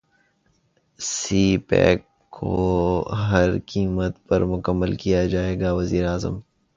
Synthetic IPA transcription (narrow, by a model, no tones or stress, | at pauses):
siːpɛ̰ːkːʰ | o̰ɦɐɾkiːmət̪pɐɾmʊkəmːəlkijad͡ʒaːeːɡaʋɐziːɾeaːzə̰m